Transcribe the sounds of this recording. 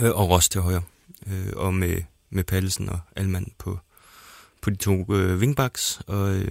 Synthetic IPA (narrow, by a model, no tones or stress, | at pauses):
ʔɒ̽ʁɒ̽st͡sʰe̝ɦɒ̽ɪɐ | øɒ̽me | mepʰæl̩sn̩ɒælmæn̰pʰɒ̽ | pʰɒ̽d̥it͡sʰo̝̰ːøʋe̝ŋb̥ɑ̈ɡ̥sɒ̽ø